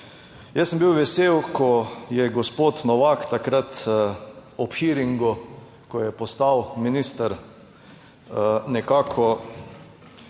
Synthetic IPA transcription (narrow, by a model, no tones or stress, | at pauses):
jɛsəmbiwʋɛseːwkʰɔjɛɡospoːt̪nɔʋakt̪akɾat̪ | ɔpxiɾiŋɡu | kɔjɛpɔst̪awminist̪əɾ | nɛkaːkʰɔ